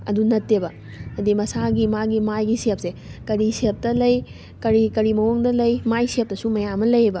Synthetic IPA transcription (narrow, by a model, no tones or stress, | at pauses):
ɐ̰dunɐtːebɐ | ɐdimɐsaɡimaɡimajɡisep̚sekɐɾisep̚tɐlɐj | kɐɾikɐɾimɐwoŋdɐlɐjmajsep̚tɐsumɐjamɐlɐjebɐ